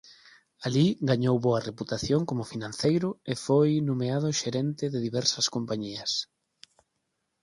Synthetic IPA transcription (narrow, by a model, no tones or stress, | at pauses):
aliɡaɲowβoɐreput̪aθjoŋkomʊfinãn̟θejɾʊefojnomeað̞ʊʃeɾɛnt̪ɪðɪðiβɛɾsɐskompaɲiɐs